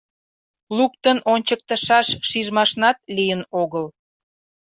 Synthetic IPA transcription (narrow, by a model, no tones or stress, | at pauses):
lukt̪ənʔonʲt͡ɕək̚t̪əʃɑʃːiʒmɑʃnɑt̪̚lijənoɣəl